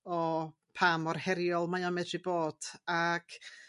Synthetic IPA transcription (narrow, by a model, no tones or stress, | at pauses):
ɔ | pʰamɔrhɛɾjɔlˠmajamɛdrɨboːd̥aɡ̥